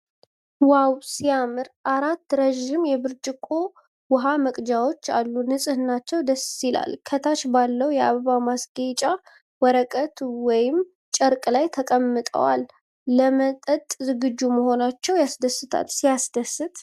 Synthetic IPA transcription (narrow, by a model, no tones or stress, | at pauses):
wawsijamɨɾʔaɾat̪ːɾəʒɪmjɛbɨɾt͡ʃʼɪkʼo̞ | wʊɦaməkʼd͡ʒawo̞t͡ʃːa̰lːunɨsʼɨhɨnat͡ʃːɛwd̪əssila̰lkʰət̪ʰat͡ʃbalːəwjɛaββamasɡet͡ʃʼa | wɔɾəkʼət̪wɔjɪm | t͡ʃʼəɾkʼlajt̪ʰəkʼəmːɨt̪ʼə̰wa̰lː | əmət̪ʼət̪ʼzɨɡɨd͡ʒːuməɦo̞nat͡ʃːɛwjasd̪əsːɨt̪ʰa̰lsijasd̪əsːɨt̪ʼ